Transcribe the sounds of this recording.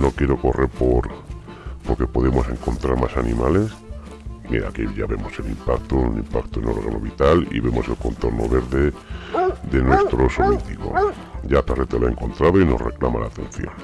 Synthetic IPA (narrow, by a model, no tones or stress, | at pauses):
no̞kjeɾoko̞reɾpoɾ | poɾke̞po̞ðe̞mo̞se̞ŋko̞nt̪ɾaɾmasanḭ̃male̞s | mia̰kiʎaβe̞mo̞se̞limpakt̪ounḭmpakt̪oeno̞ɾɣa̰no̰βit̪alḭβe̞mo̞se̞lko̞nt̪o̞ɾno̰βe̞ɾðe̞ | ðe̞nwe̞st̪ɾosolit̪iko̞̰ | ɟ͡ʝataret̪eloaeŋko̞nt̪ɾað̞oino̞sre̞̰klamalaːt̪ẽ̞n̟θjo̰n